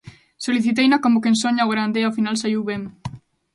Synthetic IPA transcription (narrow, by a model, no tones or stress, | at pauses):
soliθit̪̬ejnakomokensoɲaoɣɾand̪eafinalsaiwβem